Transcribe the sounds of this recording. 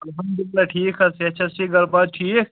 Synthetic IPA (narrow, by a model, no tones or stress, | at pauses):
ɐlɦɐ̃md̪ɪllaʈʰiːkʰɐseɐt̪ːʃʰasʰeɡɐɾbaːd̪̚ʈʰiːk̚